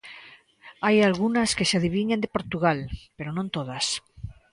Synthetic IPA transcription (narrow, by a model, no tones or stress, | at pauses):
ajalɣ̞unaskeseaðiβ̞iɲend̪epoɾt̪uɣ̞alpeɾonõnt̪oð̞as